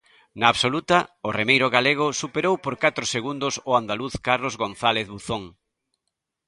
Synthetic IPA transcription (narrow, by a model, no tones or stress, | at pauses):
naːβsolut̪aʊremejɾʊɣaleɣ̞ʊsupeɾowpoɾkat̪ɾʊseɣund̪ʊsʊand̪aluθkaɾlozɣonθaleθβuθoŋ